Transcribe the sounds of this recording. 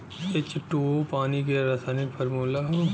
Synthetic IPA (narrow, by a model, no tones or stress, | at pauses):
ɪt͡ʃʈuopaːnikeɾɐsaːnikpʰɐɾmuːlaɦ